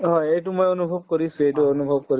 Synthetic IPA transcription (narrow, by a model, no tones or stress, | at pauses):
ɦɔjejt̬umojonubʱob̚koɹisũejt̬uonubʱɔb̚koɹi